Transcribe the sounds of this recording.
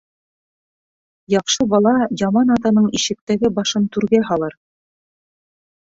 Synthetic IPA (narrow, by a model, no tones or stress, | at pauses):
jɑqʃɤbɑlˠɑjɑmɑnɑt̪ɑnɤɴiʃɘ̆k̚t̪æɡɘbɑʃɤnt̪ʉɾɡæɦɑlˠɤɾ